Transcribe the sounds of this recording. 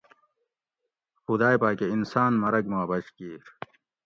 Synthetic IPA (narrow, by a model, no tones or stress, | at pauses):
xud̪aːjpaːkeinsaːnmɐɾɐkmaːbɐɕkiːɾ